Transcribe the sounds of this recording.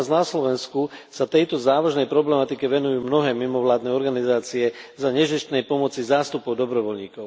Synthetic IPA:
znaslɔʋɛnskusat̪ɛjt̪ɔzaːʋaʒnɛjpɾɔblɛmat̪ikɛʋɛnujuːmnɔɦɛːmimɔʋlaːd̪nɛɔɾɡanizaːt͡siɛzaɲɛʒist̪nɛjpɔmɔt͡sizaːst̪upɔʊd̪ɔbɾɔʋɔlɲiːkɔʊ

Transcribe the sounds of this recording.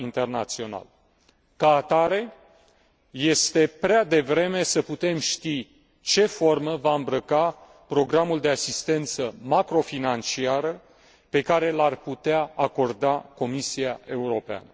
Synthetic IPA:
int̪e̞rnat̪sio̞na̰l | kaːt̪aɾe̞ | je̞st̪e̞pɾead̪e̞vɾe̞me̞səput̪e̞mʃt̪i | t͡ʃe̞fo̞rməvaɨmbɾəka | pɾo̞ɡɾamuld̪e̞asist̪e̞nt̪səmakɾo̞finant͡ʃiaɾə | pe̞kaɾe̞larput̪eaako̞rd̪ako̞misiae̞uɾo̞pea̰nə

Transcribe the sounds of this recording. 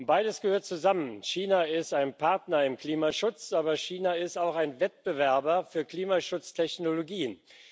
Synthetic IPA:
b̥aɪɾəsɡ̥əhøːɐt̚t͡suzamənʃiːnaɪstaɪnpʰaɐtnɐɪmkl̥iːmaʃʊt͡sʔaːbɐʃiːnaɪstaʊxaɪnvɛt̚b̥əvɛɐbɐfyːɐkl̥iːmaʃʊt͡stʰɛçnoloɡiːən

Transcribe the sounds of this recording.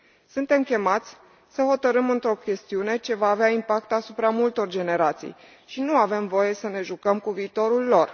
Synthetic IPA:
sunt̪e̞mkʲe̞mat̪sʲ | səho̞t̪əɾɨmɨnt̪ɾo̞kʲe̞st̪iune̞t͡ʃe̞vaːveaimpak̚t̪asupɾamult̪o̞rd͡ʒe̞ne̞ɾat̪sḭj | ʃinuave̞mvo̞je̞səne̞ʒukəmkuviːt̪o̞ɾulːo̞r

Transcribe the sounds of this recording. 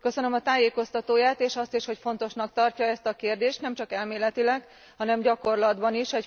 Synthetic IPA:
kø̞sønø̞mɒt̪aːjeːko̞st̪ɒt̪oːjaːt̪eːʃɒst̪iʃho̞cfo̞n̪t̪o̞ʃnɒk̚t̪ɒrcɒɛst̪ɒkeːrd̪eːʃt̪nɛmt͡ʃɒkɛlmeːlɛt̪ilɛɡ | hɒnɛmɟɒko̞rlɒd̪bɒniʃɛc

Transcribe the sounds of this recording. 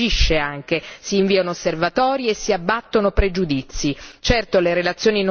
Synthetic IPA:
iʃːeaŋk̟esiːɱviːanoosːervat̪ɔːɾiesːiabːat̪ːonopɾed͡ʒud̪it̪sːit͡ʃɛrt̪oleɾelat̪sːjoːnin

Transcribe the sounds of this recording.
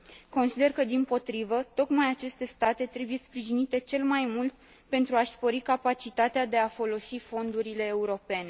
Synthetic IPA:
ko̞nsid̪e̞rkəd̪inpo̞t̪ɾivət̪o̞kmajat͡ʃe̞st̪e̞st̪at̪e̞t̪ɾe̞buje̞spɾiʒinit̪e̞t͡ʃe̞lmajmult̪̚ | pe̞nt̪ɾuaʃspo̞ɾikapat͡ʃit̪at̪ead̪e̞afo̞lo̞sifo̞nd̪uɾile̞ːuɾo̞pe̞ne̞

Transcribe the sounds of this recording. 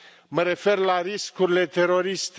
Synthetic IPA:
məɾe̞fe̞rlaɾiskuɾile̞t̪e̞ɾo̞ɾist̪e

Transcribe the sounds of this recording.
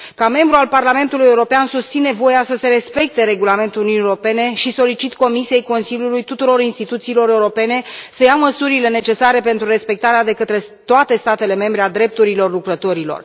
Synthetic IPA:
kame̞mbɾualparlame̞nt̪uluje̞uɾo̞peansust̪sine̞vo̞jasəse̞ɾe̞spe̞k̚t̪e̞ɾe̞ɡulame̞nt̪ulununieoɾope̞ne̞ʃiso̞lit͡ʃit̪ko̞misije̞jko̞nsiljulujt̪ut̪uɾo̞ɾinst̪it̪ut̪siːlo̞ɾe̞uɾo̞pe̞ne̞səjaməsuɾile̞ne̞t͡ʃe̞saɾe̞pe̞nt̪ɾuɾe̞spe̞k̚t̪aɾead̪e̞kət̪ɾe̞t̪oat̪e̞st̪at̪e̞le̞me̞mbɾe̞ad̪ɾe̞p̚t̪uɾilo̞rlukɾət̪o̞ɾilo̰r

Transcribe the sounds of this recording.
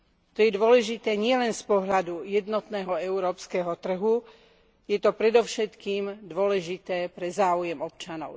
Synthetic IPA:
t̪ɔjɛd̪ʊɔlɛʒit̪ɛːɲɪɛlɛnspɔɦʎad̪ujɛd̪nɔt̪nɛːɦɔɛuɾɔːpskɛɦɔt̪r̩ɦu | jɛt̪ɔpɾɛd̪ɔʊʃɛt̪kiːmd̪ʊɔlɛʒit̪ɛːpɾɛzaːujɛmɔp̚t͡ʃanɔ̰ʊ

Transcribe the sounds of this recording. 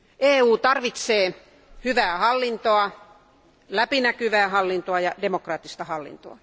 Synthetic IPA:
ʔeːuːt̪ɑrʋit̪seː | hyʋæːhɑlːint̪oɑ | læpinækyʋæːhɑlːint̪oɑjɑdemokrɑːt̪ːist̪ɑhɑlːḭnt̪o̰ɑ

